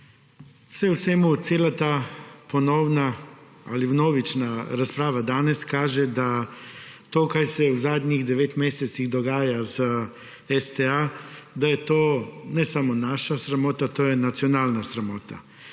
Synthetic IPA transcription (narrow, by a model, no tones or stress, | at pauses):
sɛusemut̪seːlat̪aːponowna | aliwnoːʋit͡ʃnaɾaspɾaːʋad̪aːneskaːʒɛd̪a | t̪oːkajsɛuzaːd̪ɲiɣd̪ɛʋeːt̪meːset̪siɣd̪oɡaːjaz | est̪ead̪ajɛt̪oːnɛsamonaːʃasɾamoːt̪at̪oːjɛnat̪sionaːlnasɾamoːt̪a̰